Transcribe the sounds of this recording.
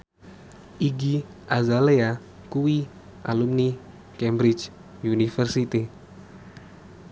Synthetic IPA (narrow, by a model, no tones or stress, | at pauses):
ʔiɡi | ʔazalea | kuwi | ʔa̰lumni | kɛmbɾit͡ʃ | unifərsit̪i